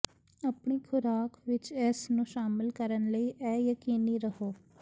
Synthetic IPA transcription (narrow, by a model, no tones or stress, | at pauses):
əpɳiːkʰʊɾaːkʋɪt͡ʃɛːsnũːʃaːmɪlkəɾənləiːʔɛːjəkiːniːɾəɦoː